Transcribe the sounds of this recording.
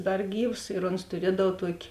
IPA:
ˈdɐr ˈɡʲiːws ɪr oːns tʊˈrʲiɛdɐw ˈtuɔkʲɪ

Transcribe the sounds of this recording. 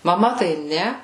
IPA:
mɐˈmɐ tɐɪ ˈnʲɛ

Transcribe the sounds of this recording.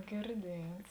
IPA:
ɡʲɪrʲˈdʲiɛts

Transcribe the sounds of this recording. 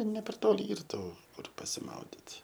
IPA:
nʲɛ pʲɛr ˈtoːlʲɪ ˈiːr ˈtuː ˈkʊr pɐsʲɪˈmɐʊdʲɪt

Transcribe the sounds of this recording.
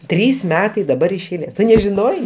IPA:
ˈtʲrʲiːs ˈmʲæːtɐɪ dɐˈbɐr ɪʃ ɛɪˈlʲeːs ˈtʊ nʲɛʒʲɪˈnoːjɛɪ

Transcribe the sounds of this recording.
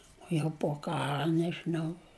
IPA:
oː jɛʊ poː ˈkɑːrɐ nʲɛʒʲɪˈnɐʊ

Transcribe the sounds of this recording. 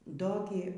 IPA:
ˈdoː ɡʲɪ

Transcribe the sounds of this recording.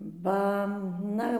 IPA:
ˈbɐ ˈnɐ

